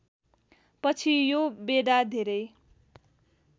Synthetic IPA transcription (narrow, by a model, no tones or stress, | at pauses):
pʌt͡sʰijobeɽad̪ʱeɾʌj